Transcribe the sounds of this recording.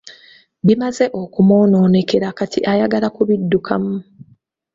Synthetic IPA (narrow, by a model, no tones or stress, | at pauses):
βimaze̞ʔo̞kumoːno̞ːne̞ke̞ɾakatḭʔajaɡalakuβidːukʰamu